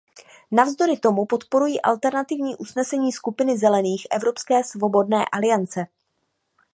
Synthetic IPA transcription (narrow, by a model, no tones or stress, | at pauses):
navzd̪o̞ɾɪt̪o̞mupo̞t̪po̞ɾujiːʔa̰lt̪ɛɾnat̪ɪvɲiːʔusnɛsɛɲiːskupɪnɪzɛlɛniːxʔɛ̰vɾo̞pskɛːsvo̞bo̞dnɛːʔalɪjant͡sɛ